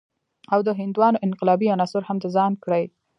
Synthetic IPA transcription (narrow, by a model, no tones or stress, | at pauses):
awd̪əɦɪnd̪wɑnoʔɪnqɪlɑbianɑsʊɾhamd̪əzɑnkɽəj